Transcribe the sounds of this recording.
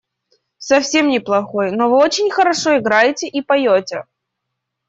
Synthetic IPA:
sɐfsʲe̞mnʲɪplˠɐxojnovɨot͡ɕɪnʲxəɾɐʂo̞ɪɡɾajɪtʲɪʔipɐjotʲɪ

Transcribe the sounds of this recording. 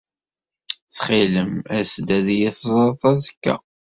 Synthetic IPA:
t͡sːχiləmæsd̪æðjiθzˤt̪ˤɑzəkːæ̰

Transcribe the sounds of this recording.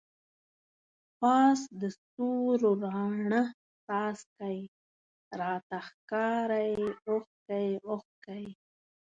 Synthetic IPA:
pɑːsd̪əst̪uɾoɾɑːɳə | t̪ɑːskaj | ɾɑːt̪axkɑɾajoxkajoxkaj

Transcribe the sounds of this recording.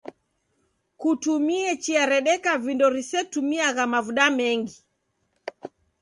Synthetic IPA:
kutumiɛt͡ʃiaɾɛɗɛkavindɔɾisɛtumiaɣamavuɗamɛŋɡi

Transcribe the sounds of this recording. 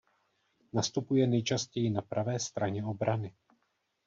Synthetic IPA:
nast̪upujɛnɛjt͡ʃascɛjɪnapɾavɛːst̪ɾaɲɛo̞bɾanɪ

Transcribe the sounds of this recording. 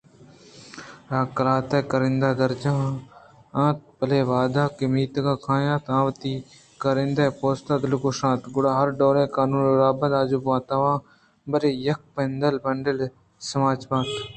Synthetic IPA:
ɾãːkɐlaːt̪eːkəɾɪ̃nd̪aːd̪ɐɾd͡ʒãː | ãːt̪̚pɐleːʋaːd̪aːkɪmiːt̪ɡaːkʰãːjãːt̪ãːʋət̪iː | kəɾɪ̃nd̪aːpoːst̪aːd̪ɪlʊkoːʃãːt̪ɡʊɽaːɦɐɾɖoːɾẽːkaːnũːnɾaːbə̃nd̪aːd͡ʒuːbʋãːt̪ɐʋãː | bəɾeːjɐk̚pend̪əlbɐɳɖəl | sɐmaːd͡ʒpãːt̪

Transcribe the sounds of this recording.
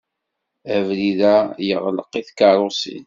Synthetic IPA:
ævliðæjəʁləqːiθkɑɾˤosḭn

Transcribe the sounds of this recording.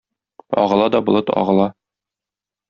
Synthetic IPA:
ɒ̰ʁɤ̆lˠɑd̪ɒbŏlˠɤt̪ɒ̰ʁɤ̆lˠɑ

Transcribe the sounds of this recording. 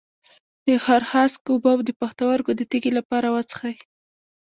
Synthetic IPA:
d̪̥əxɑɾxɑskobawd̪əpaxt̪awaɾkod̪ət̪eɡelapɑɾawat͡sə̥xaj

